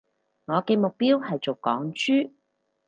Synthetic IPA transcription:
ŋɔː˨˧kɛː˧mʊ˨k̚piː˥whɐ˨jt͡so˨˩wkɔː˨˥ŋt͡ʃyː˥

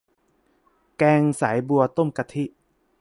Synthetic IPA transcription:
kɛː˧ŋsa˩˦jbu˧ɐt̪o˥˩mka˧t̪ʰi˦˥ʔ

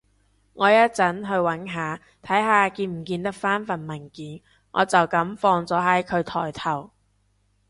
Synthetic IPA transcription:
ŋɔː˨˧jɐ˥t̚t͡sɐ˨˥nɦɵ˧ɥwɐ˨˥nɦaː˨˧ | t̪ʰɐ˨˥jɦaː˨˧kiː˧nm̩˨˩kiː˧nt̪ɐ˥k̚faː˥nfɐ˨˩nmɐ˨˩nkiː˨˧n | ŋʔɔ̰ː˨˧t͡sɐ˨wkɐ˨˥mfɔː˧ŋt͡sɔː˨˥ɦɐ˨˥jkʰɵ˨˧ɥt̪ʰɔ̰ː˨˩jt̪ʰɐ˨˩w

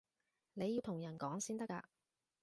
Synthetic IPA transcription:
ne˨˧ji˧wt̪ʰʊ˨˩ŋjɐ˨˩nkɔː˨˥ŋsiː˥nt̪ɐ˥ka̰ː˧

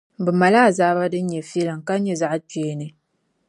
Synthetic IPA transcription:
bɨ˨ma˨la˦˨zaː˦ba˦dɨ˦ɲɛ˨fi˦ɛ˦lɨ˨ŋka˦ɲɛ˦za˦ʔti˨e˦nɨ˨

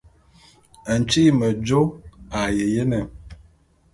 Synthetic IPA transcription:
ə˨n̩˨t͡ʃi˦mə˨d͡ʒo˦a˨je˨je˦nə˨

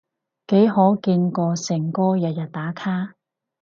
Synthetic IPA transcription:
ke˨˥jɦɔː˨˥kiː˧nkɔː˧sɪ˨˩ŋkɔː˥jɐ˨t̚jɐ˨t̚t̪aː˨˥kʰaː˥

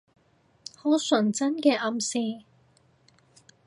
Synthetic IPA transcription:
ho˨˥wsɵ˨˩nt͡sɐ˥nkɛː˧ʔɐ˨˧msiː˧

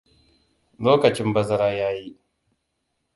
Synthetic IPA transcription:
loː˦kɐ˨t͡ʃɪ˦mbɐ˦zɐ˦ɾaː˦jaː˦ji˦ʔ

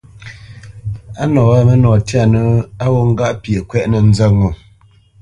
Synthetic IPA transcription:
a˦nɔ˨wa˦mə˦nɔː˨tja˦˨nə˨a˦wo˦ŋ̩˦ɡa˦ʔpje˨kwɛ˦ʔnə˨n̩˦zə˦˨ŋo˨

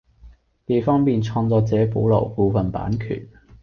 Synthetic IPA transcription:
t̪e˨jfɔː˥ŋpiː˨nt͡ʃʰɔː˧ŋt͡sɔː˨˧t͡sɛː˨˥po˨˥wlɐ̰˨˩wpuː˧fɐ˨npa̰ː˨˥nkʰy̰ː˨˩n

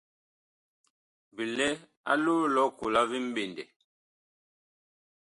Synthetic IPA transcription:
bi˨lɛ˦ | a̰˦luː˦lɔ˦ku˨la˦vi˦m̩˦be˨ndɛ˨

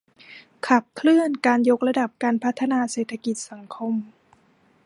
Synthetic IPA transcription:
kʰa˨˩p̚kʰlɯ˥˩ənkaː˧njo˦˥k̚ɾa˧da˨˩p̚kaː˧npʰa˦˥t̪ʰːa˧naː˧seː˨˩t̪ʰːa˧ki˨˩t̪̚sa˩˦ŋkʰo˧m

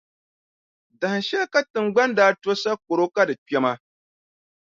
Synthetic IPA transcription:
da˨n˨ʃe˦ka˦tɨ˨ŋɡ͡bɐ˦nda˨˦to˦sa˦k̚ʊ˨ɾo˦ka˦da˨t͡ʃe˦ma˦

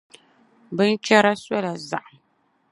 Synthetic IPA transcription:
bɨ˦n˦t͡ʃɛ˦ɾa˦sɔ˦la˨za̰˨ʔa˨

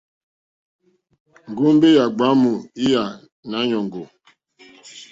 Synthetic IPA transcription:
ŋ̩˨ɡu˦m̩˦be˦ja˨ɡ͡ba˨˦mu˨i˦ja˨ | na˦ɲɔ˨ŋ̩˨ɡo˨

